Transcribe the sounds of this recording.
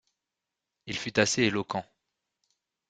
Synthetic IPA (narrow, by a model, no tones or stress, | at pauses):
ilfyt̪aseelɔkɑ̃